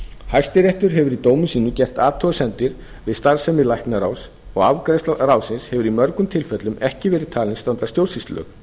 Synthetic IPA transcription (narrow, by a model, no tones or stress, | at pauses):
hajst̪ɪɾeht̪ʏɾɦɛvʏɾit̪oːwmʏsiːnʏcɛr̥t̪aːt̪ʰɔɣʏsɛnt̪ɪɾ | vɪðst̪aɾ̥sɛmːɪlajhknaɾaːws | ɔɣavkɾest̪ɾaːwsɪnshɛvʏɾimœɾkʏmt̪ʰɪlfɛt̪lʏmɛhcɪvɛːɾɪð̥t̪ʰaːlɪnst̪ant̪ɾḁst̪jowɾ̥sist̪lœ̰ːk